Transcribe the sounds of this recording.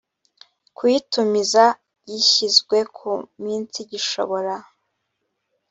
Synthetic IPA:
kwitumiza | ɟiçizɡwe̞kʰumiːnt͡siɟiʃo̰βo̞ɾa

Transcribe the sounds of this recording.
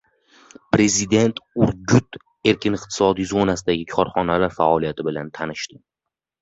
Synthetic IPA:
pɾe̞zɪd̪e̞nt̪ʊɾɡʊt̪ | e̞ɾkʲʰɪnɪqt̪ʰɪ̥sɒd̪ijzo̞nasɪd̪aɡʲɪkʰɒɾχɒnalaɾfa̰ɒlijat̪ʰɪbɪlant̪ʰanɪʃt̪ɪ

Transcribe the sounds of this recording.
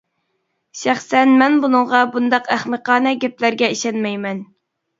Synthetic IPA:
ʃæχsɛnmɛnbunɨŋʁɑbund̪ɑqæχməqɑːnɛɡʲɛplæɾɡʲɛiʃɛnmɛjmɛn

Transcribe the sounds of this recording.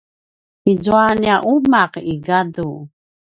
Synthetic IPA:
izuaniaʔumaqiɡadu

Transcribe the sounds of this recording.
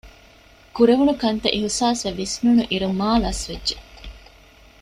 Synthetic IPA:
kuɾeʋunukɐnt̪ɐʔiɦusaːseʋisnunuʔiɾumaːlɐsʋedːʒe

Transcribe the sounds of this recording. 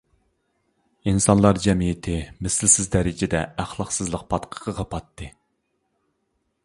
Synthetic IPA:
insɑnlˠɑɾd͡ʒɛmijɪt̪ʰɪmɪsɪlsɪzd̪ɛɾɪd͡ʒɪd̪ɛæχlˠɑqsɨzlˠəq̚pʰɑt̪qʰə̥qəʁɑpɑt̪ʰːɨ

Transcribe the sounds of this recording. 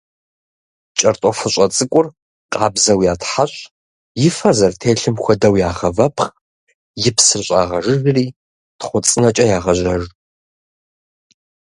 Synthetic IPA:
t͡ʃʼɐrt̪ʼɔfɨɕʼɐt͡sʼɨkʷʼʊr | qʼɑːbzɐwjaːtħaɕʼ | jɪfɐzɐrtʰeːɬɨmxʷɔdɐwjaːʁɐvɐpʰχ | jɪpʰsɨrɕʼa̰ːʁɐʐɨrriː | tχʷʊt͡sʼɨnɐt͡ʃʼɐjaːʁɐʑʷɐʒ

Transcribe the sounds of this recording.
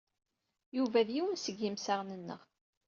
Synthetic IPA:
juvæðjiwənsəɡːimsaʁnənːə̰ʁ

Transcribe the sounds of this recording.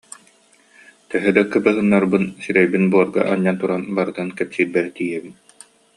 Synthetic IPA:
t̪œɦœd̪akɯbɯɦɯnːaɾbɯnsiɾɛjbinbuɔɾɡa̰ʔaɲːant̪uɾanbaɾɯt̪ɯnkɛpsiːɾbɛɾt̪ijɛbin

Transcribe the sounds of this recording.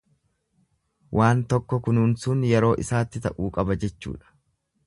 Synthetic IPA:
wʔaːnt̪ɔkːɔkʊnuːnsʊnjɛɾo̞ːʔɪsaːt̪ːɪt̪ɐʔuːkʼɐbɐd͡ʒɛt͡ʃːṵːᶑɐ̥

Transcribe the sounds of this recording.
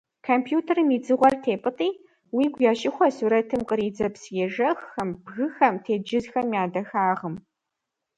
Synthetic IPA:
kʰompʰjuːtʰɐrɨmid͡zɨʁʷɔrtʰeːpʼɨtʼiː | wiːɡʷjaːʃɪxʷɔsuːɾɐtʰɨmqəɾiːd͡zɐpsjɛʒɐxːɐmbɣɨxɐmtʰeːd͡ʒɪzxɐmjaːdɐxaːʁəm

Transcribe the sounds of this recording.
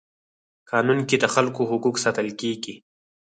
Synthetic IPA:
kɑːnunkid̪əxalkoɦʊkuksat̪əlkeɡi

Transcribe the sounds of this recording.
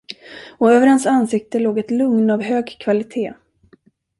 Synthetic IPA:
ɔøːvəɾhansansɪk̚t̪əloːɡɛt̪lɵŋnavɦøːɡkʰvalɪt̪ʰeː

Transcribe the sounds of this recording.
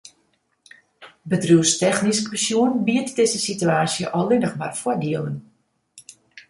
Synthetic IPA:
bədruəstɛxniskəsjuənbiətdɪzəsityaːsjəʔɔlɪnəxmarfwɔdiəlˠən

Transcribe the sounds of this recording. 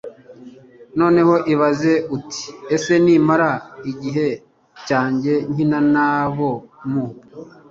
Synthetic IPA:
no̞ːne̞ho̞ʔiβaze̞utʰi̥ese̞niːmaɾaiɟiɦe̞ | caːɲɟe̞ɲinanaβo̞mu

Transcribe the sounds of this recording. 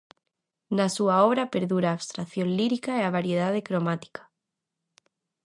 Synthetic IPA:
nasuaɔβɾapeɾðuɾaːβst̪ɾaθjonliɾikaeaβaɾjeð̞aðekɾomat̪i̥kḁ

